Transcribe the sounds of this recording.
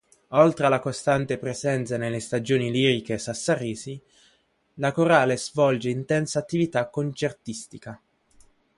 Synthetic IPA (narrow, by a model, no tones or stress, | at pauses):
olt̪ɾealakost̪ant̪epɾezɛnt̪sanelːest̪ad͡ʒoːniliːɾikesasːariːsi | lakoɾaːlezvɔld͡ʒeint̪ɛnsaːt̪ːivit̪akːont͡ʃert̪ist̪ika